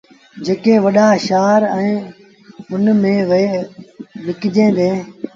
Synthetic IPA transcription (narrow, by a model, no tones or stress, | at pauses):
d͡ʒeːkẽːʋəɗaːʃaːɾɛ̃ː | ʊnmẽːʋeː | ʋɪkd͡ʒẽːd̪eː